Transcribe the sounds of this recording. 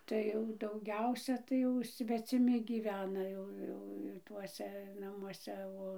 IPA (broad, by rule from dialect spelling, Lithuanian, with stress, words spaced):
ˈtɐɪ jɛʊ dɐʊˈɡʲɛʊsʲɛ tɐɪ ˈjɛʊ sʲʋʲɛt͡sʲɪˈmʲɪ ɡʲiːˈʋʲæːnɐ ˈjɛʊ ˈjɛʊ ˈtuɔsʲɛ nɐmuɔˈsʲɛ ˈoː